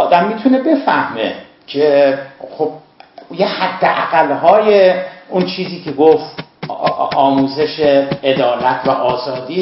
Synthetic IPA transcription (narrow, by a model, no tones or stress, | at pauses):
ɒːd̪æmːiːt̪ʰunebe̞fæhmḛ | cʰeχob̥̚ | jehæd̪ːeʔæ̰ɣ̥ælɦɒːjeunt͡ʃʰiːziːkʰeɡoft̪ | ɒːmuːzeʃeed̪ɒːlæt̪ʰvæ̰ʔɒːzɒːd̪iː